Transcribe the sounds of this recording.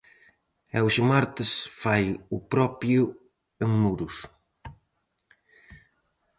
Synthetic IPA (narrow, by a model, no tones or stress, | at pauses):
ɛwʃmaɾt̪ɪsfajʊpɾɔpjʊ | eŋmuɾʊs